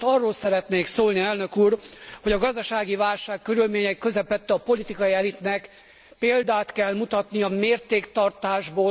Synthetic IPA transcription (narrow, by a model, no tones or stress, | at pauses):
ɒrːoːlsɛɾɛt̪neːksoːlniɛlnøkuːrho̞ɟɒɡɒzd̪ɒʃaːɡivaːlʃaːkːøɾylmeːɲɛikːø̞zɛpɛt̪ːɛɒpo̞lit̪ikɒiɛlit̪nɛk | peːld̪aːt̪kɛlmut̪ɒt̪niɒmeːrt̪eːkt̪ɒrt̪aːʒboː